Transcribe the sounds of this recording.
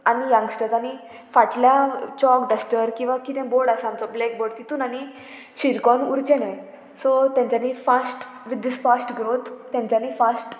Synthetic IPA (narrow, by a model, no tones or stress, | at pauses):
anijãŋɡsʈəɾtani | faʈljat͡ɕɔkɖəsʈəɾkĩw̃ʋakit̪ɛ̃bɔɽasamt͡sɔblɛk̚bɔɽt̪it̪uːnani | ɕiɾkɔnuɾt͡ɕenɛ̃ | sɔt̪jãɲt͡ɕanifasʈ | ʋid̪ːisfasʈɡɾot̪ːjãɲt͡ɕjanifasʈ